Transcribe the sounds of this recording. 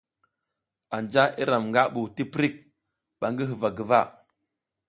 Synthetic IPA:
a˨nd͡ʒa˦ʔi˦ɾa˨mŋɡa˦ɓu˨ti˦pɾi˦k̚ | ɓa˨ŋɡi˦ɦə˨va˨ɡə˨va˦˨

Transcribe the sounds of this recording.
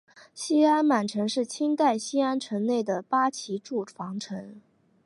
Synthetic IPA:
ɕi˥a˥nma˨˩nʈ͡ʂʰɤ˧˥ŋʂɻ̩˥˩t͡ɕʰi˥ŋt̪a˥˩ɪɕi˥a˥nʈ͡ʂʰɤ˧˥ŋne˥˩ɪd̪ə˩pa˥t͡ɕʰi˧˥ʈ͡ʂu˥˩fɑ˧˥ŋʈ͡ʂʰɤ˧˥ŋ

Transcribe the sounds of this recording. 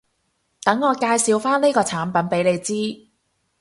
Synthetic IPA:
t̪ɐ˨˥ŋːɔː˨˧kaː˧jsiː˨˧wfaː˥nliː˥jkɔː˧t͡sʰaː˨˥npɐ˨˥npe˨˥jle˨˧jt͡siː˥

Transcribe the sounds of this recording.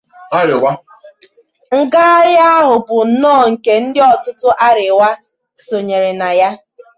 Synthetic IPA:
a˦ɾɪ˨wa˦ | ŋ̩˨ɡa˦ɾɪ˦a˦ɦʊ˨bʊ˨n̩˨˦nɔː˦˨ŋ̩˨ke˨n̩˦dɪ˦ɔ˨tʊ˦tʊ˦ʔa˦ɾɪ˨wa˦ | so˨ɲe˨ɾe˨na˨ja˦

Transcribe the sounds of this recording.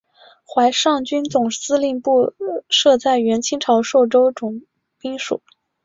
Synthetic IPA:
xwa˧˥ɪʂɑ˥˩ŋt͡ɕy˥nt͡sʊ˨˩ŋsɹ̩˥li˥˧ŋpu˥˩˧ʂɤ˥˧t͡sa˥˩ɪɥɛ˧˥nt͡ɕʰi˥ŋʈ͡ʂʰɑ˧˥ʊʂo˥˩ʊʈ͡ʂo˥ʊʈ͡ʂʊ˨˩ŋ | pi˥ŋʂṵ˨˩˦

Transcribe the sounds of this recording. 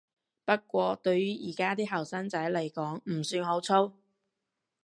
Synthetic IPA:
pɐ˥t̚kʷɔː˧t̪ɵ˧ɥjyː˥jiː˨˩kaː˥t̪iː˥ɦɐ˨˩wsɐ˥nt͡sɐ˨˥jle˨˩jkɔː˨˥ŋm̩˨˩syː˧nɦo˨˥wt͡sʰo˥w

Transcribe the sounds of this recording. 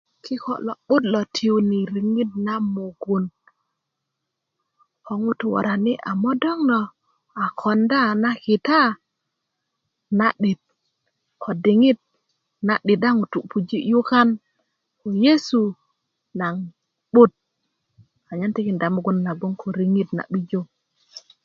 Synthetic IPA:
kʰi˦ko̰˨lɔ̰˨ɓu˦t̚lɔ˨tʰi˦u˦ni˨ɾi˨ŋi˦t̚na˦mu˨ɡu˦n | ko˨˦ŋu˦tu˨wa̰˨ɾa˨ni˦ʔa̰˨mɔ˦dɔ˦ŋnɔ˨ | a˨kʰɔ˨nda˦na˦ki˨ta˦ | na˨ɗi˨t̪̚ | kʰo˨di˨ŋi˦t̚ | na˨ɗi˨da˦ŋu˨tu˨pu˨d͡ʒi˦ju˦ka˦n | ko˨je˦su˨ | na˨ŋ | ɓu˦t̚ | a˨ɲa˦nti˦ki˨nda˨mu˨ɡu˦nːa˨ɡu˦ŋkʰo˨ɾi˨ŋi˦tna̰˨ɓi˦d͡ʒo˦

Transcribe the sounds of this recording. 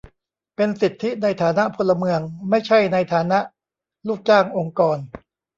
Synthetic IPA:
pe˧nsi˨˩t̪ʰːi˦˥na˧jt̪ʰaː˩˦na˦˥ʔpʰo˧lːa˧mɯ˧əŋma˥˩jt͡ɕʰa˥˩jna˧jt̪ʰaː˩˦na˦˥ʔ | luː˥˩k̚t͡ɕaː˥˩ŋʔo˧ŋkɔː˧n

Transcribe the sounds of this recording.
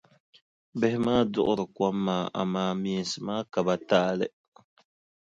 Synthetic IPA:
bɛ˦hɪ˦maː˦dʊ̰˦ʔʊ˦ɾɨ˨kwa˦mːaː˨ʔa̰˨maː˦mi˨n˨sɨ˨maː˦ka˨ba˨taː˦lɨ˦

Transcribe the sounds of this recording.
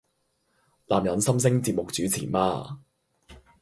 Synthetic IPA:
laː˨mjɐ˨˧nsɐ˥ms̬ɪ˥ŋt͡siː˧p̚mʊ˨k̚t͡syː˨˥t͡sʰiː˨˩ma̰ː˧

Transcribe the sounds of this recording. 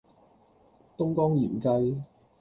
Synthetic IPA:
t̪ʊ˥ŋkɔː˥ŋjḭː˨˩mkɐ˧j

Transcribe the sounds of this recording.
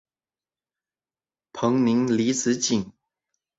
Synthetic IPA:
pʰɤ˧˥ŋni˧˥ŋli˧˥t͡sʰɹ̩˧˥t͡ɕi˨˩ŋ

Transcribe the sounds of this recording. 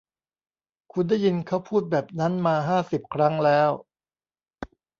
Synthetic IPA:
kʰu˧ndaː˥˩ji˧nkʰa˦˥˩wpʰuː˥˩t̪̚bɛː˨˩p̚na˦˥nmaː˧ɦaː˥˩si˨˩p̚kʰɾa˦˥ŋlɛː˦˥w

